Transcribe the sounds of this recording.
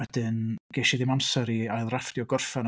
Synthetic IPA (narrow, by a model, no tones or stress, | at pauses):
wɛdɨnɡ̥eːʃiðɪmamsɛɾiaɨðrafd̥jɔɡɔrfɛn